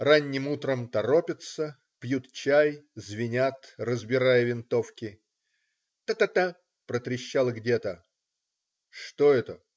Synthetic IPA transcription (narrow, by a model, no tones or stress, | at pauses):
ranʲːɪmut̪ɾəmt̪ɐɾopʲɪt̪sə | pjut̪t͡ɕæjzvʲɪnʲat̪rəzbʲɪɾajəvʲɪnt̪o̞fkʲɪ | t̪ət̪ət̪ə | pɾət̪ɾʲɪɕːalˠəɡdʲet̪ə | ʂt̪oɛt̪ə